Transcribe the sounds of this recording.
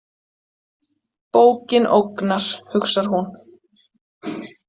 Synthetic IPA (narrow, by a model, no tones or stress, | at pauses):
poːwcɪnʔowknaɾ̥hʏksaɾ̥ɦun